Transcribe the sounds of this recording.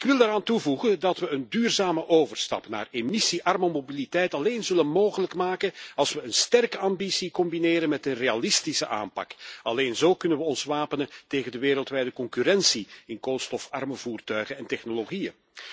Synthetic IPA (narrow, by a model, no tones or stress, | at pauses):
ɪkʋɪlˠdəɾaːntuvuɣəndɑtʋəəndyːrzaːməʔoːvərstɑ̰pna̰ːremisiʔɑrməmobilitɛjtɑleːnzɵlənmoːɣələkmaːkənɑlˠsʋəənstɛrkəɑmbisikɔmbineːɾənmɛtənrealɪstisəʔa̰ːmpɑ̰kɑleːnzoːkɵnənʋəɔnsʋaːpənənteːɣəndəʋeːɾəlˠtʋɛjdəkɔŋkyɾɛnsiɪnkolˠstɔfɑrməvuːrtœɥɣənɛntɛxnoloɣijə̰